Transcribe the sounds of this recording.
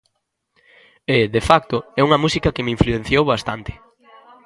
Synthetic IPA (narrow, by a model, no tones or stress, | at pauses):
ɪðefak̚t̪ʊɛuŋɐmusikɐkemiɱfluẽn̟θjowβast̪ant̪ɪ̥